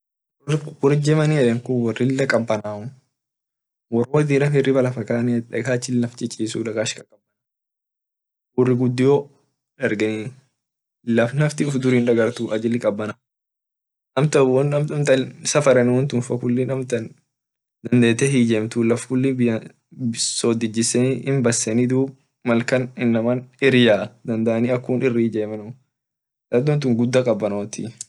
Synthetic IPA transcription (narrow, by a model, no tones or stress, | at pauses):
rkʊkʊɾɪd͡ʒɛmɐniɛᶑɛŋkʊwɔrɪlːɐkʼɐbːɐnaʊ | wɔrwɔd̪iːɾɐnhɛrːɪbɐlɐfɐkaːniɛᶑɛkaːt͡ʃːɪlːɐft͡ʃɛt͡ʃʼːiːsṵlɐɡaːʃkɐkʼɐbːɐna | wɔrːɪɡʊd̪ːɪjoː | ᶑɐɾɡɐni | lɐfnɐft̪ɪʊfd̪ʊɾiːnᶑɐɡɐɾt̪uʔɐd͡ʒɪlːɪkʼɐbːɐna | nɐmt̪ɐwɔnɐmt̪ɐmt̪ɐnsɐfɐɾɛnɪwɔnt̪ʊːnfɐkʊlːiːnɐmt̪ɐn | d̪ɐnd̪eːt̪ɛɦiːd͡ʒemt̪uːlɐfkʊlːibɪjɐ | soːd̪ɪd͡ʒːɪsɛnɪmbɐsːɛnid̪uːb | mɐlkɐnɪnːɐmɐnɪɾjaːd̪ɐnd̪ɐʔɐniːɐkːuːnɪrːiːd͡ʒeːmɐn | dɐd̪ɔnt̪̬ʊːŋɡʊd̪ːɐkʼɐbːɐnot̪ḭ